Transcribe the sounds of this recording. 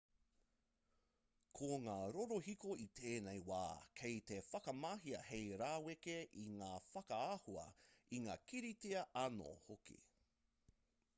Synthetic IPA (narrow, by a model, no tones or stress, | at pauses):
kʰoːŋaːɾoɾohikoit̪ʰeːnejwa̰ːkʰejt̪efɐkɐmaɦiɐ̰hejɾaːwekeʔiŋaːfɐkɐahuɐ̰iŋa̰ːkiɾiteɐʔɐno̰hokḭ